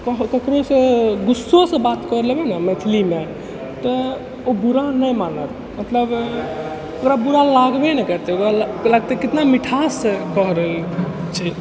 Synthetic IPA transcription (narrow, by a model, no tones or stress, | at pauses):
kəɦkəkɾosẽɡusːosẽbat̪kɔɾlebɛnəmet̪ʰlime | t̪ɔ | obuɾanəjmanəɾ | mət̪ləb | okɾabuɾalaɡbɛnɛkəɾt̪eokɾalaɡ̚t̪ekit̪namiʈʰasẽkɔɦɾəɦəlt͡ʃʰi